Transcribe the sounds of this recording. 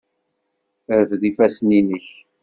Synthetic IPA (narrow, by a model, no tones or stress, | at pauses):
əɾvðifæsninəç